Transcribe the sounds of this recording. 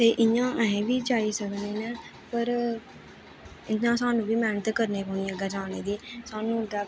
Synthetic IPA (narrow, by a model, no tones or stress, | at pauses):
t̪eːʔɪjãːʔəɦẽʋiːd͡ʒaːiːsəkneːnɛː | pəɾ | ɪnːãːsaːnũːʋiːmɛːnət̪kəɾneːkoːnĩəɡaːd͡ʒaːneːd̪iːsaːnũːɖa